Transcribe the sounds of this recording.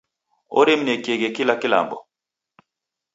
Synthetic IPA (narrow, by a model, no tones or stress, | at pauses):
o̰ɾemnekeɡɛkilakila̰mbɔ